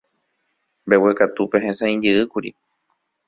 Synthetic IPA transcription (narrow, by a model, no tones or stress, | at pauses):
mbewekat̪upeɦẽsãĩd͡ʒɨʔɨkuɾḭ